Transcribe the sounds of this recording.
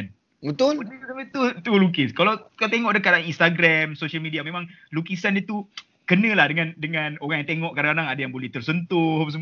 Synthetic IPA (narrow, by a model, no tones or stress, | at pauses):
n | bət̪ʊləsaət̪ut̪ulukɪskalawkalat̪eŋɔʔdəkat̪aŋinst̪aɡɾamsoʃalmidiamẽmãŋ | lukisandət̪u | kənə̃lahdəŋãndəŋãnoɾaŋjaŋt̪eŋɔʔkadaŋanaŋadajaŋbolɛht̪ərsənt̪ʊhaps̬